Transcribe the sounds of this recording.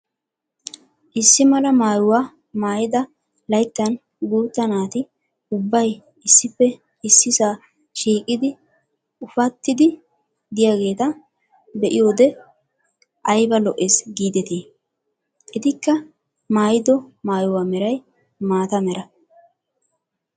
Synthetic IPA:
ʔɪsːɪmɐlɐmaːjʊwaː | maːjɪd̪ɐ | lɐjt̪ːɐn | ɡuːt̪ːɐnaːt̪ɪ | ʊbːɐj | ɪsːɪpːɛ | ɪsːɪsaː | ʃiːkʼɪd̪ɪ | ʊfɐt̪ːɪd̪ɪ | d̪ɪjaːɡe̞ːt̪ɐ | bɛʔɪjo̞ːd̪ɛ | ʔɐjbɐlɔʔːeːsɡiːd̪ɛt̪iː | ʔɪd̪ɪkːɐ | maːjɪd̪ɔmaːjʊwaːmɛɾɐj | maːt̪ɐmɛɾɐ

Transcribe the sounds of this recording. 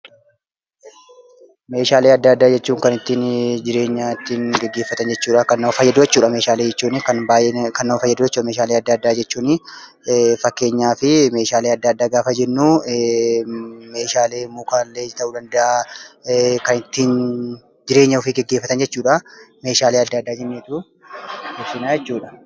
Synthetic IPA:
me̞ːʃaːleːɐd̪ːɐɐd̪ːaːd͡ʒɛt͡ʃːuːŋkɐnɪt̪ːiːnd͡ʒɪɾe̞ːɲːat̪ːiːŋɡɛɡːe̞ːfːɐt̪ɐnd͡ʒɛt͡ʃːuːᶑɐkɐnːɐɐfɐjːɐd̪ʊd͡ʒɛt͡ʃːuːᶑɐmeːʃaːleːd͡ʒɛt͡ʃːuːnɪkɐnbaːjekɐnːɐmɐfɐjːɐd̪ʊd͡ʒɛt͡ʃːuːɐmeːʃaːleːɐd̪ːaɐd̪ːaːd͡ʒɛt͡ʃːuːnɪ | fɐkːe̞ːɲːaːfɪme̞ːʃaːleːɐd̪ːaɐd̪ːaːɡaːfɐd͡ʒɛnːuː | me̞ːʃaːleːɪmːuːkaːlːeːd͡ʒɪt̪ɐʔuːd̪ɐnd̪ɐʔa | kɐnɪt̪ːiːn | d͡ʒɪɾe̞ːɲːɐʊfɪɡɛɡːeːfːɐt̪ɐnd͡ʒɛt͡ʃːuːᶑame̞ːʃaːleːɐd̪ːɐːd̪ːaːd͡ʒɛnːeːt̪u | ʊsɪnaːd͡ʒɛt͡ʃːuːᶑɐ̥

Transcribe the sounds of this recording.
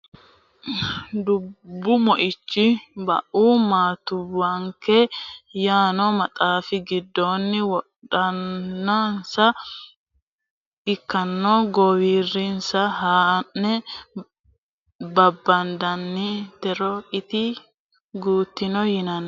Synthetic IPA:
d̪ʊbːʊmɔʔɪt͡ʃːɪbɐ̰ʔuːmaːt̪ʊwːɐŋkɛjaːnɔmɐt̪ʼaːfɪɡɪd̪ːoːnːɪwɔɗɐnːɐnsɐ | ɪkːɐnːoːɡɔwiːrːɪnsɐɦaːnːɛ | bɐbːɐnd̪ɐnːit̪ɛɾɔɪt̪ɪ | ɡuːt̪ːɪnɔhɪnɐn

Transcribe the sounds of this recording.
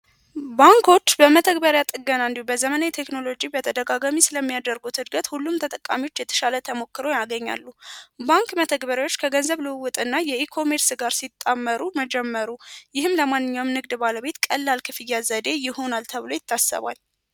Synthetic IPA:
baŋkʰo̞t͡ʃːbəmət̪ʰəɡbəɾjat̪ʼɨɡənand̪ubəzəmənajet̪ʰekno̞lo̞d͡ʒibət̪ʰəd̪əɡaɡamisɨləmːijad̪əɾɡut̪hɨd̪ɡət̪hulːumt̪ʰət̪ʼəkʼːa̰miot͡ʃːjɛt̪ʰə̥ʃalət̪ʰəmo̞kːɨɾojaɡəɲːa̰lːubaŋkmət̪ʰəɡbəɾawot͡ʃːkʰəɡənzəβlɨwwːʊt̪ʼɨnːajɛikʰo̞me̞ɾsɡaɾsit̪ʼːamːəɾuməd͡ʒɛmːəɾujɪhɨmləmanːɨɲːawmnɨɡd̪baləβe̞t̪kʼəlːalkʰɨfɨjːazəd̪e̞jɪho̞nalt̪ʰəβlo̞jɪt̪ːasːə̰βa̰l

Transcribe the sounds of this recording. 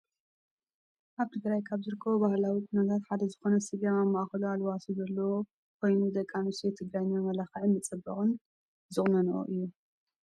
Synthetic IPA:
ʔaβt̪ʰɨɡɾajkʰaβzɨɾɨkʰːɐβobahlawikʰʼʊnɐt̪ʰat̪ħad̪ɐzɨxo̞nɐsiɡaamːaʔxɐlualwasuzɐlːɐwo | kʰo̞jnuzɐkʼːanuset̪ʰɨɡɾajɲːomɐlaxɐʕɨnmɨt͡sʼɐbːɐxʼɨn | zɨχʼnɐnɐʔo̰ʔɨjːu

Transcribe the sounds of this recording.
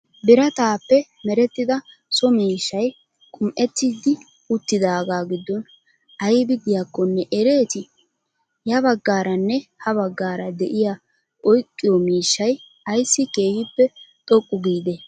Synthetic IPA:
bɪɾɐt̪aːpːɛ | mɛɾɛt̪ːɪd̪ɐ | sɔmiːʃːɐj | kʼʊmʔɛt̪ːiːd̪ɪ | ʊt̪ːɪd̪aːɡaːɡɪd̪ːɔn | ʔɐjɪbɪd̪ɪjakːɔnːɛʔɛɾe̞ːt̪ɪ | jɐbɐɡːaːɾɐnːɛhɐβɐɡːaːɾɐd̪ɛʔɪja | ʔɔjkʼːɪjɔmiːʃːɐj | ɐjsːɪke̞ːhɪpːɛt̪ʼɔkʼːʊɡiːd̪ɛ

